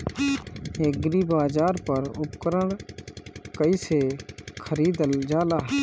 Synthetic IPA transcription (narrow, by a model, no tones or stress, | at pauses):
eːk̚ɡɾiːbaːd͡ʒaːɾpəɾʊpkəɾəɳ | kəiːseːkʰəɾiːd̪əld͡ʒaːlaː